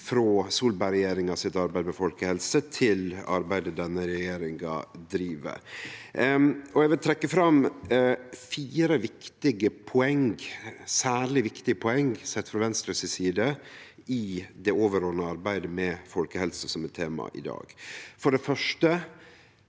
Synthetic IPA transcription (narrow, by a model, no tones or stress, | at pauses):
fɾoːsuːlbæɪɾɛjeːɾɪŋɑsɪt̪ɑɾbæɪd̪mɛfɔlkəhɛlsət̪ʰɪlɑ̰ɾbæɪd̪əd̪ɛnːəɾɛjeːɾɪŋɡɑ̰d̪ɾiːʋə̰ | ɔɛɡʋɪlt̪ʰɾɛkːəfɾɑm | fiːɾəʋɪkt̪ɪɡəpʰɔɛŋɡsæːɭɪʋɪkt̪ɪɡəpʰʊɛŋsɛt̪fɾɑʋɛnst̪ɾəsɪsiːd̪ə | ɪd̪ɛoːʋəɾoːnəɑɾbæɪd̪əmɛfɔlkəhɛlsəsɔmɛt̪t̪ʰːeːmɑ̰ʔɪ̰d̪ɑ̰ːɡfɔɖɛfœʂʈə